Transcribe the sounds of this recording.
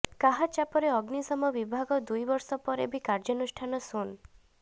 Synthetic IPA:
kaɦat͡ʃapɔɾeɔɡnisɔmɔbibʱaɡɔd̪ujbɔɾsɔpɔɾḛbikaɾd͡ʒɔnusʈʰanɔsun

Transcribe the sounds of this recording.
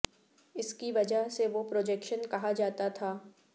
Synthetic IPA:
ɪskiʋɐd͡ʒəɦseʋopɾoːd͡ʒɛkʃənkɐɦad͡ʒaːt̪at̪ʰaː

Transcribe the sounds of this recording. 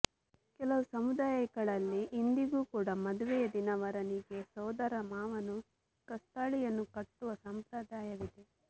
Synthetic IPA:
kɛlɐʋusɐmud̪aːjɐɡɐɭɐlːiʔːnd̪iɡuːkuːɽɐmɐd̪uʋɛjɐd̪inɐʋɐɾɐniɡe̞sɔːd̪ɐɾɐmaːʋɐnu | kɐst̪aːɭijɐnːukɐʈːuʋɐsɐmpɾɐd̪aːjɐʋid̪e̞

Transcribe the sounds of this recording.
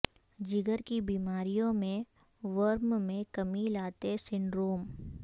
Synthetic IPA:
d͡ʒɪɡəɾkibiːmaːɾijõmẽ | ʋəɾmmẽkɐmilaːt̪esɪɳɖɾoːm

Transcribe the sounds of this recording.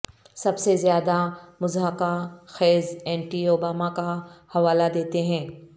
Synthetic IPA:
sɐbsezjaːd̪amʊzɦəkaxɛːzɛ̃ːɳʈioːbaːmakahɐʋaːlad̪eːt̪eɦɛ̃ː

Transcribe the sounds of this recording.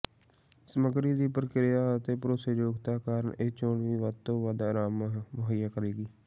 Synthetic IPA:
səməɡɾiːd̪iːpəɾəkɾɪjaːət̪eːpəɾoːseːd͡ʒoːɡt̪aːkaːɾəɳeːt͡ʃoːɳʋiːʋəd̪̚t̪õːʋəd̪aːɾaːmʋəɦaijaːkəɾeːɡiː

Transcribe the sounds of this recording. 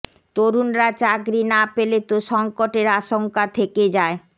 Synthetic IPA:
t̪oɾunɾat͡ɕaɡɾinapelet̪oʃɔŋkoʈeɾaʃoŋkat̪ʰeked͡ʑae

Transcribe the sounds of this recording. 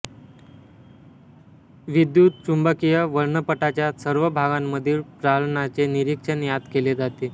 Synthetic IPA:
ʋid̪jut̪̚t͡ɕumbəkijəʋəɾɳəpəʈat͡ɕjasəɾʋəbʱaɡamːəd̪ʱiːlpɾalɳat͡seniɾikʂənjad̪keled͡zat̪e

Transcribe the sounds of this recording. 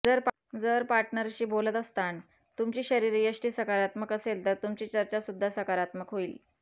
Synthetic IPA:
d͡zəɾp | d͡zəɾpaɾʈnəɾɕiːbolət̪əst̪aɳ | t̪umt͡ɕiːɕəɾiːɾijəɕʈiːsəkaɾat̪məkəselt̪əɾt̪umt͡ɕiːt͡ɕəɾt͡ɕasud̪ʱːasəkaɾat̪məkɦoiːl

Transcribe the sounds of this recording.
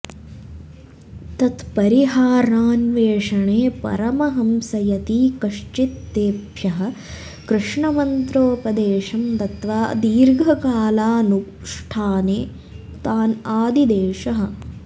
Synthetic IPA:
t̪ɐt̪pɐɾiɦaːɾaːnʋeːʂɐɳeːpɐ̰ɾɐmɐɦɐmsɐjɐt̪iːkɐʂt͡ʃit̪ːeːbjɐɦɐ̆ | kɾɪʂɳɐmɐnt̪ɾoːpɐd̪eːʂɐmt̪ɐt̪ʋaːd̪iːɾɡʱɐkaːlaːnu | ʂʈʰaːneː | t̪aːnaːd̪id̪eːʂɐɦɐ̆

